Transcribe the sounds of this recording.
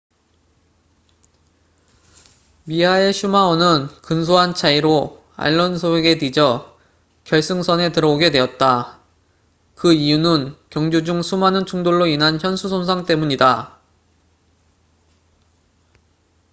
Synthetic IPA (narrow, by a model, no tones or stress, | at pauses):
miɦae̞ɕʰumaʌnɯnkɯns̬ʰoɦant͡ɕʰaiɾo | a̰ɭːʌnsʰoweɡe̞tid͡ʑʌ | kjʌɭs͈ɯŋsʰʌne̞tɯɾʌoɡe̞dwe̞ʌt̚t͈a | kɯijunɯnkjʌŋd͡ʑod͡ʑuŋsʰumɦanɯnt͡ɕʰuŋdoɭːoinɦançjʌnsʰusʰonsʰaŋt͈e̞muɲida